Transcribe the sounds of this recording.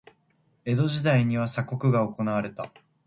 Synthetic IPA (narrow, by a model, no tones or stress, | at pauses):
e̞d̪o̞ʑid̪aiɲ̟iβ̞asako̞kɯ̟ɡao̞ko̞naβaɾe̞t̪a